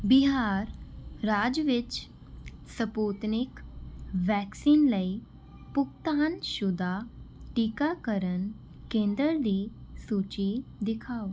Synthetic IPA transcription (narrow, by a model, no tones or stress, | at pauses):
biɦaɾɾad͡zʋit͡ɕ | səput̪nikʋɛksiːnləi | puk̚t̪anɕud̪ʱaʈikakəɾən | kẽnd̪əɾd̪isut͡ɕid̪ikʰaw